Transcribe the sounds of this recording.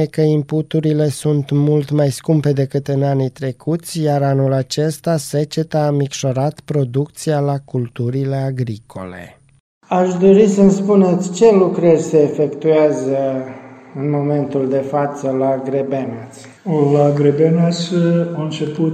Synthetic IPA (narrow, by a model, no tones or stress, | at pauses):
ekəimput̪uɾile̞sunt̪mult̪majskumpe̞d̪e̞kɨt̪ɨnanit̪ɾe̞kʰut̪sʲjaɾanulat͡ʃe̞st̪ase̞t͡ʃe̞t̪aːmikʃo̞ɾat̪pɾo̞d̪ukt̪sialakult̪uɾile̞aɡɾikʰo̞̰le̞̰ | aʃd̪o̞ɾisənspune̞t̪sʲt͡ʃe̞lukɾərʲseːfekt̪uazə | ɨnmo̞me̞nt̪uld̪e̞fat̪səlaɡɾebenas | laɡɾebenasaɨnt͡ʃepu